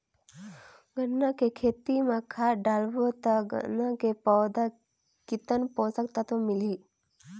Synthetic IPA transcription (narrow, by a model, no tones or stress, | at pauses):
ɡʱənːakekʰeːt̪imãkʰaːɖalbot̪aɡə̰nãkepɔd̪a | kɪt̪ənposək̚t̪at̪omɪli